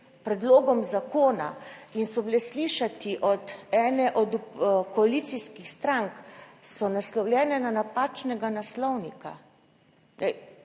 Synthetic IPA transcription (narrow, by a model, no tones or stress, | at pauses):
pɾɛd̪loːɡɔmzakoːna̰insɔblɛsliːʃat̪iʔɔd̪ɛːnɛʔɔd̪kɔalit̪siskixst̪ɾaŋksɔnaslɔwljɛːnɛnanapaːt͡ʃnɛɡanaslɔwnika̰ | nɛ̰ɪ